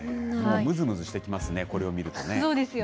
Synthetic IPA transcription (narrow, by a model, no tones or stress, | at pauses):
momɯ̟zɨmɯ̟zɨɕi̥t̪e̞kʲimasɨne̞ko̞ɾe̞o̞mʲiɾɯ̟t̪o̞ne̞soːd̪esɨjo